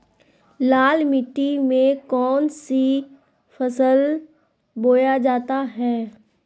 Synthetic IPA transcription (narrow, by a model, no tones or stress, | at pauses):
laːlmɪʈːimẽkɔːnsi | fʰɐsəl | boːjad͡ʒaːt̪aɦɛː